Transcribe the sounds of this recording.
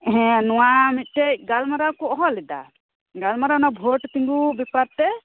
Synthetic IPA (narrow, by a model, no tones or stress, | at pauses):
ɦɛ̃nɔ̃wamit̪̚ˀʈɛc̚ɡalmaɾakɔʔɔɦɔlɛd̪a̰ | ɡalmaɾanabʱoʈt̪iŋɡubipaɾ̚t̪ɛ